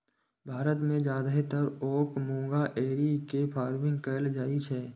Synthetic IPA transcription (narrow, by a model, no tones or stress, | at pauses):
bʱaːɾət̪mẽd͡ʒjaːd̪ɦet̪əɾoːkmõːɡaʔeːɾikepʰaːɾʋɪ̃ŋɡkəld͡ʒaːit͡ʃʰɛː